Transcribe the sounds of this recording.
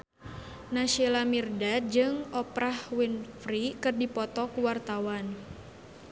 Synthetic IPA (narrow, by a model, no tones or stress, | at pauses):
naʃelamirdad͡ʒɨŋɔpɾahwinfɾikɨrdipɔt̪ɔkuwart̪awan